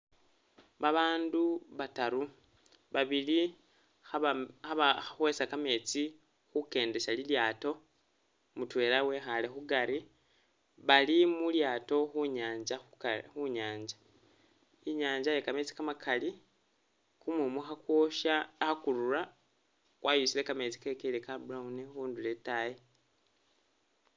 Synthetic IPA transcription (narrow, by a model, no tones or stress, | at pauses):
βaβaːnduβataɾu | βaβili | aaaxwe̞ːsakame̞ːt͡si | xuke̞ːnde̞ʃaliljaːto̞ | mutwe̞ːlawe̞xale̞xuɡaɾi | βalimuljaːto̞xuɲaːɲd͡ʒaxuɲaːɲd͡ʒḁ | iɲaːɲd͡ʒajekame̞t͡si̥kamakʰali | kumumuxakwo̞ʃaxakuɾuɾa | ɣwʔajusilekame̞ːt͡si̥kekeilekabuɾaunixuːnduletaje